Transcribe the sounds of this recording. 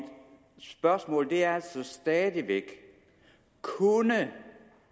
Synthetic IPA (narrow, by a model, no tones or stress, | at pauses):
d̥ | sb̥ɶɐsmɔ̰̽ːld̥e̝æɐæl̰sɒ̽sd̥ɛːðˠiʋeɡ̥ | kʰunə